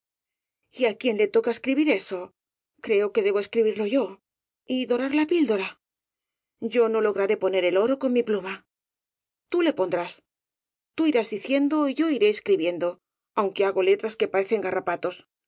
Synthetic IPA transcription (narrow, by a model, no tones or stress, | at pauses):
iakje̞nle̞t̪o̞kaeskɾiβiɾe̞so̞ | kɾe̞o̞ke̞ðe̞β̞o̞e̞skɾiβ̞iɾno̞ʝo̞ | iðo̞ɾaɾlapild̪o̞ɾa | ɟ͡ʝo̞no̞lo̞ɣ̞ɾaɾe̞po̞ne̞ɾe̞lo̞ɾo̞ko̞ŋmipluma | t̪ule̞po̞nd̪ɾas | t̪uiɾazðiθje̞nd̪o̞iʝo̞iɾe̞ːskɾiβje̞nd̪o̞ | awŋke̞aɣo̞le̞t̪ɾaske̞pae̞θe̞ŋɡarapat̪o̞s